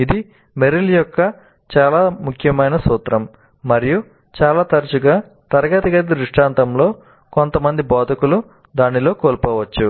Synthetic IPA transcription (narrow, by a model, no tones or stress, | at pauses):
id̪i | meɾiljɔkːɐ | t͡ʃaːlaːmukʰjɐmɐjnɐsuːt̪ɾɐmː | ɐɾiju | t͡ʃaːlaːt̪ɐɾɐt͡ʃuɡaː | t̪ɐɾɐɡɐt̪ɐɡɐt̪iɾuʂʈaːnt̪ɐmlo̞ː | ko̞nt̪ɐmɐnd̪ibɔːd̪ʱɐkulu | d̪aːnilo̞ːkoːlpoːʋɐt͡ʃːu